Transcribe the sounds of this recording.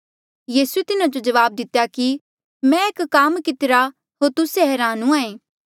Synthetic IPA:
jiːsuet̪ɪnad͡ʒod͡ʒɐʋaːb̚d̪ɪt̪ːjaki | mɛ̃eːkkaːmkɪt̪ɪɾa | ɦoːɾt̪ʊseɦɛːɾaːnũãːẽː

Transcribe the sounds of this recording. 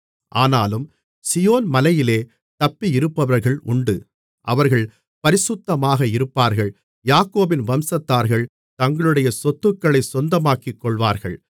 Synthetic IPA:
ʔaːnaːlɯm | sɪjoːnmɐlɐjɪleː | t̪ɐpːiɪɾɯpːɐʋɐɾɣɐɭʊɳɖɯ | ʔɐʋɐɾɣɐɭ | pɐɾɪsʊt̪ːɐmaːɣɐɪɾɯpːaːɾɣɐɭ | jaːkoːbɪnʋɐmsɐt̪ːaːɾɣɐɭ | t̪ɐŋɡɐɭɯɽɐjɐsɔt̪ːɯkːɐɭɐɪsɔnd̪ɐmaːkɪkːɔɭʋaːɾɣɐ̰ɭ

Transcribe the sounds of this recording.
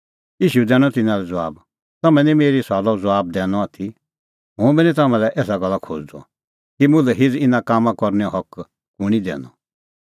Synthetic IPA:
iːʃud̪ɛːɽ̃ɔt̪ɪnãlɛd͡zɔaːb | t̪ɐmɛ̃nĩmeːɾisaːlɔd͡zɔaːb̚d̪ɛːnɔ̃at̪ʰi | ɦʊ̃bɛnĩt̪̬ɐmɛ̃lɛʔɛːs̬aɡɐlːakʰoːd͡ʒd̪ɔ̰ | kimʊ̃lɛɦɪd͡zɪnãkaːmãkɔɾnɛɔ̃ɦɔk | kʊɽ̃id̪ɛ̰ːnɔ̰

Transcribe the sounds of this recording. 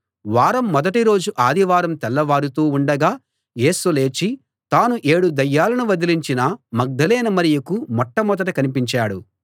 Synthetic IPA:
ʋaːɾɐmːɔd̪ɐʈiɾo̞ːd͡ʒuʔaːd̪iʋaːɾɐmt̪ɛlːɐʋaːɾut̪uːuɳɖɐɡaː | je̞ːsule̞ːt͡ʃi | t̪aːnuʔe̞ːɽud̪ɐjːaːlɐnuʋɐd̪iliɲt͡ʃinɐmɐɡ̚d̪ɐlɛːnɐmɐɾijɐkumɔʈːɐmɔd̪ɐʈɐkɐnipiɲt͡ʃaːɽṵ

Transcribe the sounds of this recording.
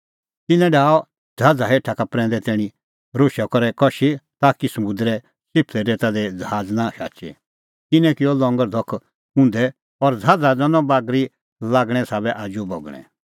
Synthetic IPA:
t̪ɪnɛ̃ɖaːɔ | d͡zʱaːd͡zaɦeːʈʰakapɾɛ̃ːnd̪ɛt̪ɛːɽ̃ĩ | ɾoʃɔkɔɾɛkɔʃit̪aːkisɐmʊ̃nd̪ɾɛ | sɪpʰlɛɾeːt̪ad̪ɛd͡zɦaːd͡znãʃa̰ːt͡ʃɛ̰ | kɪnɛ̃kɪɔlɔ̃ŋɡəɾd̪ʱɔkʰː | ũnd̪ɛ | ɔɾd͡zʱaːd͡zad͡zɔnɔ̃baːɡɾi | laːɡɽ̃ɛ̃saːbɛʔaːd͡ʒubɔɡɽ̃ɛ̰̃

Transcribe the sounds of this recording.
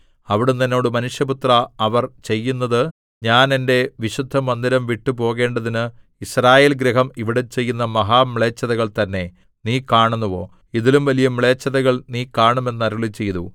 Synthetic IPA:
ɐʋiɽunenːo̞ːɽɨmɐnuʂjɐput̪rɐɐʋɐrt͡ɕe̞jːunːɐðɨ | ɲaːne̞nde̞ʋiɕud̪ʱːɐmɐnd̪iɾɐmʋiʈːupo̞ːɣe̞ːɳɖɐðinɨ | israːje̞ːlɡɾɐɦɐmiʋiɽet͡ɕe̞jːunːɐmɐɦaːmiɭeːt͡ɕːɐðɐɣɐɭt̪ɐnːe̞ | niːkaːɳunːuʋo̞̰ː | iðilumʋɐlijɐmɭe̞ːt͡ɕːɐðɐɣɐɭniːkaːɳume̞nːɐɾuɭit͡ɕːe̞jt̪ṵ

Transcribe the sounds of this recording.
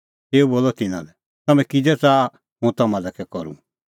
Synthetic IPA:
eːuboːlɔt̪ɪnã̰lɛ | t̪ɐmɛ̃kid͡zɛt͡saː | ɦũt̪ɐmãlɛkɛkɔɾṵ

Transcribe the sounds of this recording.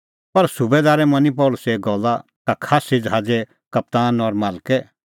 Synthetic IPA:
pɐɾsʊbed̪aːɾɛmɐnip̬ɔːlʊsɛɡɔlːa | kakʰaːsid͡ʒɦaːd͡zɛ | kɐp̚t̪aːnɔɾmaːlkɛ

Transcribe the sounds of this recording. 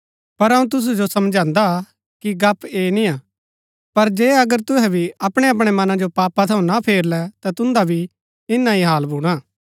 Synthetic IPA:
pɐɾɐũt̪̬ʊs̬ud͡ʒosɐmd͡ʒãːnd̪a | kiɡɐpeːnĩaː | pɐɾd͡ʒeːɐɡəɾt̪ʊɦɛ̃bʱiɐpɽ̃eɐp̬ɽ̃emɐnãd͡ʒopaːpat̪ʰɐũnapʰeːɾlɛt̪at̪ʊ̃nd̪abʱi | ɪnːaiɦaːlbʱuːɽ̃aː

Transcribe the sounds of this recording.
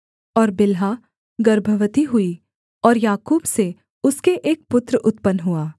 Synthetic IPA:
ɔːɾbɪlɦa | ɡɐɾbʱəʋət̪iɦʊi | ɔːɾjaːkuːbse | ʊskeʔeːk̚pʊt̪ɾəʔʊt̪pənɦuaː

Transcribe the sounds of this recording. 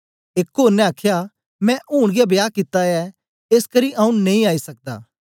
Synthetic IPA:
eːkːoːɾnɛ̃aːkʰja | mɛ̃ʔuːɽ̃ɡijabjaːkɪt̪ːaɛ | eːskɐɾiʔãːũnẽĩaːisɐk̚d̪a̰ː

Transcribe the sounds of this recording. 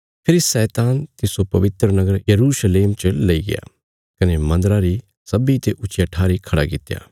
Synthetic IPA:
pʰɪɾisɛːt̪aːnt̪ɪsopɐʋɪt̪ɾənɐɡəɾjɐɾuːʃəleːmt͡ʃəlɐiɡɪ̰ja̰ː | kɐnemɐ̃nd̪ɾaɾi | sɐbit̪eʔʊt͡ʃijaʈʰaːɾikʰɐɽa̰kɪt̪ːja̰ː

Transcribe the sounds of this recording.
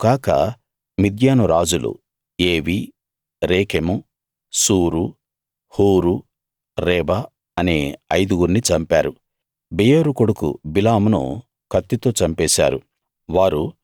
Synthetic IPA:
kaːkɐ̰ | mid̪jaːnuɾaːd͡ʒulṵ | eːʋi | ɾeːkemu | suːɾu | huːɾu | ɾɛːba | ɐneːɐjd̪uɡuɾnit͡ʃɐmpa̰ːɾu | bejoɾukoɽukṵbilaːmnṵ | kɐt̪ːit̪o̞ːt͡ʃɐmpɛːsa̰ːɾṵ | ʋaːɾu

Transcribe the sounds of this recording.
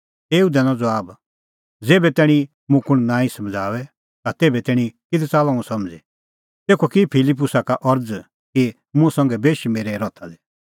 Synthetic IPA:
eːud̪ɛnɔ̃d͡zɔaːb | d͡zeːbɛt̪ɛːɽ̃i | mʊ̃kʊɽ̃nãːĩsɐmd͡zʱaːʋɛ | t̪at̪eːbɛt̪ɛːɽ̃ĩkɪd̪ʰɛt͡saːlãmũsɐ̃md͡zi | t̪eːkʰokipʰɪlɪp̬ːʊsakaʔɔɾd͡z | ki | mʊ̃sɐ̃ŋɡɛbeːʃimeːɾɛɾɔt̪ʰad̪ɛ

